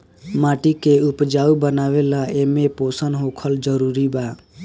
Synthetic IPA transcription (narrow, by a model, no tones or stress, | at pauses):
maːʈikeʊpd͡ʒaːubənaːʋelaeːmeposənɦoːkʰəld͡ʒəɾuːɾibaː